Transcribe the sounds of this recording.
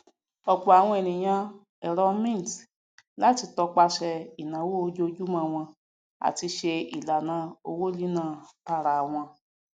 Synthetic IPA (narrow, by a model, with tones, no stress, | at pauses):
ɔ˨k͡pɔ˨a˨w̃ɔ̃˧e˨nĩ˨j̃ã˧ | ɛ˨ɾɔ˧˦mĩ˦˨t | la˦ti˧tɔ˧k͡pa˧ʃɛ˧i˨nã˨˦wo˦o˦d͡ʒo˦˧d͡ʒu˦mã˧w̃ɔ̃˧ | a̰˨ti˧ʃe˧ḭ˨la˨nã˨˧˦o˧wo˦li˦nãː˦˨ta˧˨ɾa˨w̃ɔ̃˧